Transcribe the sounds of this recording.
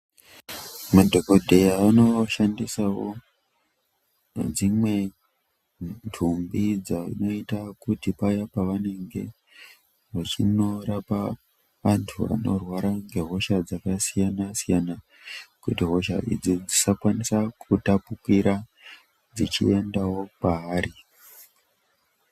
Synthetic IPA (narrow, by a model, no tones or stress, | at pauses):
madʱoko̞dʱe̞jaːno̞ʃandisawo̞̰ | d͡zimwe̞ | ntʰumbid͡zaḭno̞itakutipajapaʋane̞ŋɡe̞̰ | ɦoʐino̞ɾapa | ʋantʰuʋa̰no̰rwaɾaŋɡe̞ɦo̞ʃad͡zakasijanasijana | kutiɦo̞ʃa̰ʔḭd͡zid͡zisakwanisakʰutapukiɾa | d͡zit͡ʃḭe̞ndawo̞paaːɾi